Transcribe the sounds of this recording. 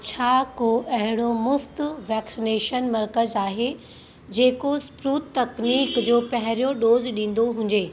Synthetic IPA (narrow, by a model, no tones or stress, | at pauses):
t͡ɕʰaːkoʔɐɦɪɽ̃omʊft̪ʋɛːksɪneːʃənmɐɾkəzaːɦe | d͡ʑeːkospɾuːt̪ːɐkniːkd͡ʑoːpɐɦɪɾijoɗoːzɗĩːn̆d̪oɦʊ̃ɲ̆d͡ʑeː